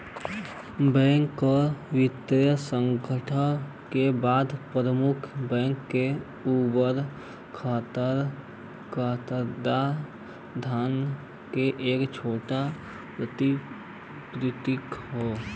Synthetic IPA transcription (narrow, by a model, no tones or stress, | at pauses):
bɛ̃ːŋkːoʋɪt̪jəsə̃ŋɡʱəʈʰə | kebaːd̪pɾəmʊkʰbɛ̃ːŋkːe | uːbəɾ | kʰaːt̪əɾ | kʰaːt̪əɾd̪a | d̪ʱaːn | keʔeːkt͡ʃʰoːʈa | pɾət̪i | pɾɪt̪ɪkɦoː